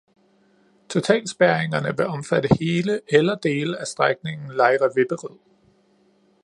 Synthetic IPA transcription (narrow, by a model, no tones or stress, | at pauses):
t͡sʰo̝t͡sʰɛ̰ːlsb̥æɐe̝ŋɐnəʋe̝ɒ̽mfæd̥əhe̝ːləelɐd̥e̝ːləæsd̥ʁaɡ̥̚ne̝ŋn̩lɑ̈ɪʁɐʋe̝b̥əʁið̰ˠ